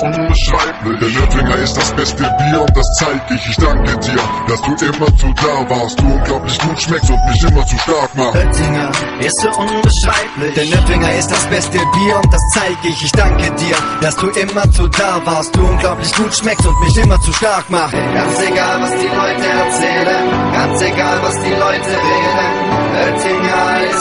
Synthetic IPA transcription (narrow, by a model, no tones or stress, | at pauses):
ʔʊnbəʃʁ̥aɪplɪd̥ːɐnœfɪŋɐɪstd̥asb̥ɛstəbiːɐʊnt̚d̥ast͡saɪk̚dɪçɪçd̥aŋkədiːɐd̥asd̥uːʔɪmɐt͡sudaːvaːɐst̚d̥uːʊnɡlaʊplɪçɡ̥uːtʃmɛkstʊntmɪçʔɪmɐt͡suːʃtaɐk̚maχntɪŋɐ | ʔɪstz̥oʔʊnbəʃʁ̥aɪplɪd̥eːɐnœpɪŋɐɪst̚d̥asb̥ɛstəbiːɐʊnt̚d̥ast͡saɪɡ̚dɪçɪçd̥aŋkədiːɐd̥asd̥uːʔɪmɐt͡sudaːvaːɐst̚d̥uːʔʊnɡlaʊplɪçɡ̥uːtʃmɛkstʊntmɪçʔɪmɐt͡suʃtaɐkmaχɡ̥anseɡaːlvasd̥iːlɔʏtəɛɐt͡sɛːlənɡ̥ant͡seɡaːlvasd̥iːlɔʏtəʁeːdən | ʔœtɪŋɐ | s